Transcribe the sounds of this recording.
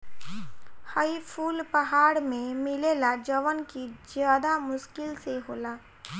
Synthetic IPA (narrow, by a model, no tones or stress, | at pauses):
haipʰuːlpɐɦaːɽmẽmɪleːlad͡ʒəʋənkid͡ʒjaːd̪amʊʃkɪlseɦoːlaː